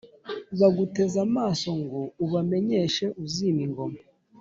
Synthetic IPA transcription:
βaɡute̞zamaːso̞ŋɡouβame̞ɲe̞ʃe̞ʔuziːmiŋɡo̞ma

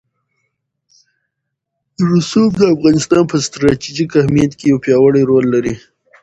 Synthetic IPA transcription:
d̪əɾusob̚d̪əafɣɑnɪst̪ɑnpəst̪ɾɑt̪iʒikahmijat̪kejawpjɑwəɽajɾolːaɾi

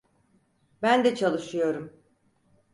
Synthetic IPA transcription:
bænd̪ɛt͡ʃʰalˠɯʃɯjo̞ɾum

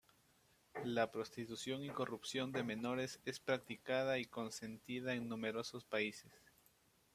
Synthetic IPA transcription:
lapɾo̞st̪it̪usjo̞ŋiko̞rupsjo̞nd̪e̞me̞no̞ɾe̞se̞spɾak̚t̪ikað̞aiko̞nse̞nt̪iðaeŋnume̞ɾo̞so̞spaise̞s

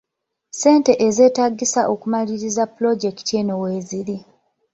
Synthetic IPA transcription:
se̞ːnte̞ʔeze̞ːtaɡːisaʔo̞kumaliɾizaplo̞ɟektienoweːziɾi

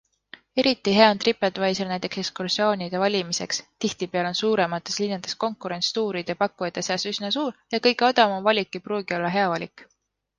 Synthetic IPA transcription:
e̞ɾit̪ːˑiɦe̞ɑont̪ripːˑet̪ːˑvɑjselnæjt̪ˑe̞kse̞kskursio̞ːnʲid̪̥evɑlʲimise̞kst̪iht̪ipeɑlo̞nsuːɾemɑt̪ːˑe̞slinːɑd̪̥e̞sko̞ŋkːˑuɾe̞nst̪uːɾid̪̥jɑpɑkːˑujɑt̪ːˑeseɑsysnɑsuːrjɑkɤjɡ̥eo̞d̪̥ɑmɑmvɑlʲikˑːipruːɡ̥io̞lːɑɦe̞ɑvɑlʲik

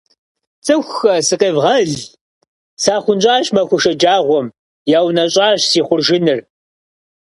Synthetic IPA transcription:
t͡sʼɨxʷxɐsɨqeːvʁɐɮ | saːχʷʊnt͡ʃʷʼaːʃmɐxʷʊʃɐd͡ʒaːʁʷɔm | jaːwnɐɕʼaːɕsiːχʷʊrʒɪnɨr

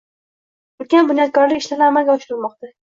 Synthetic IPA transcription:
ʊlkʲanbʊnjɒt̪̚kʰʲɒɾlɪkʲɪʃlanɪamalɡʲaʊʃɾɪɾmɒq̚t̪a

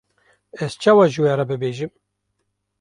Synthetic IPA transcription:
ɛz̥t͡ʃʰɑːwaːʒɨweːɾɛbɨbeːʒɨm

